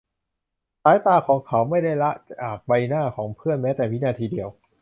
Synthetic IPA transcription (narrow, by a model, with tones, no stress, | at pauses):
saː˨˦jt̪aː˧kʰɔː˩˦ŋkʰa˨˩˦wma˥˩jda˥˩jla˦˥ʔt͡ɕaː˨˩k̚ba˧jnaː˥˩kʰɔː˩˦ŋpʰɯ˥˩ənmɛː˦˥t̪ɛː˨˩mʰi˦˥naː˧t̪ʰiː˧di˧əw